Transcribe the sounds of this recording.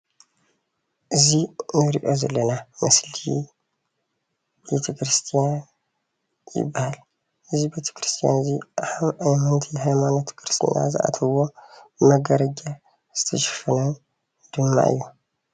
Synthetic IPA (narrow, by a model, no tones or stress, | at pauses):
ʔɨzinɨɾiʔo̞zɐlːɐnamɐsli | bet̪ʰɐkɾɨst̪ʰijan | jɪ̰bːahal | ʔɨzibet̪ʰɐ̥kɾɨst̪ʰija̰nzihaβajmɐnt̪ʰihajmano̞t̪kʰɾɨst̪ʰḭja̰zɨ̰ʔa̰t̪ʰɐwo̞bɨmɐɡɐɾɐd͡ʒa | z̥ɨt̪ʰɐʃɨ̥fɐnɐn | d̪̥ɨmːa̰ʔɨ̰jːo